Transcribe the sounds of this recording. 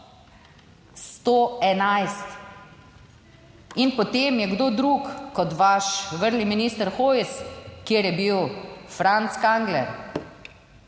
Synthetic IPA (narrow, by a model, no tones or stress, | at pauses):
st̪oːɛnajst̪ | inpɔt̪emjɛɡd̪oːd̪ɾuːkkɔt̪ʋaʃʋəɾliminiːst̪əɾxojskjeːɾjɛbiwfɾant̪skaŋɡlɛ̰ɾ